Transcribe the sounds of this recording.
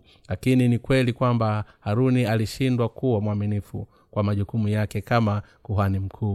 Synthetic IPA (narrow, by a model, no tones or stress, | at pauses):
lakininikwɛlikwambahaɾunialiʃindwakuwamwaminifṵ | kwamaʄukumujakɛkama | kuɦanim̩kʰuː